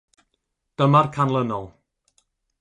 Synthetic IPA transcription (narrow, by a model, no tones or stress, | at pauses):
d̥əmarkʰanlˠənɔlˠ